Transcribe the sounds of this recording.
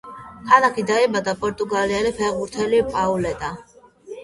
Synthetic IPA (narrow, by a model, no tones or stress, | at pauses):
kʰanakʰid̪aibad̪apʼɔɾt̪ʼuɡalialipʰɛɾʁbuɾt̪ʰɛlipʼaulɛt̪ʼa